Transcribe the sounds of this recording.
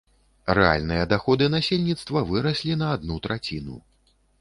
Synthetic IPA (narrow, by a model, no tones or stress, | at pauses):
ɾɛ̰a̰lʲnɨjɐd̪axɔd̪ɨnasʲelʲnʲit̪st̪vɐvɨɾɐsʲlʲinɐːd̪nut̪ɾat͡sʲinṵ